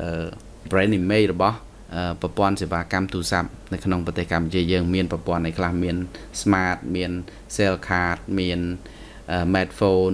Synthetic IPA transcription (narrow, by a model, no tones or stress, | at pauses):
ʔəː | brɛːnːimeːjrɔɓɑh | ʔəːprɑpŏənseːʋaːkamt̪uːsap̚nɨwkʰnoŋprɑt̪eːhkamput͡ɕiəjəːŋmiənprɑpŏənːʔajkʰlahmiənsmaːt̪̚miən | seːlkʰaːt̪̚miən | ʔəːmɛːt̪̚foːn